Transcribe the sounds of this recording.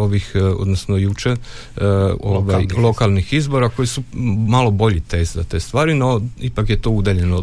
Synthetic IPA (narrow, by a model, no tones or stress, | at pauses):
o̞ʋixo̰d̪nosnojut͡ʃe | oʋajlˠo̞kalˠnixizbo̞ɾako̞jisumalˠo̞bo̞ʎit̪e̞ːzt̪zat̪e̞ːst̪ʋaːɾinoipakjet̪o̞ud̪eʎeno